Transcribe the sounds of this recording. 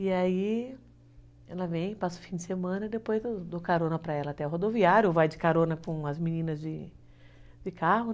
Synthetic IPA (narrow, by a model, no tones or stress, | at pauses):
iai | ɛlɐvẽj̃pasʊ̥fĩd͡ʒɪsemɐ̃nɐid̪epojzewd̪okaɾõnɐpɾɐɛlɐat̪ɛʊɦod̪oviaɾjʊevajd͡ʒɪkaɾõnɐkõɐzmĩnĩnɐzd͡ʒɪ | d͡ʒɪkaɦʊ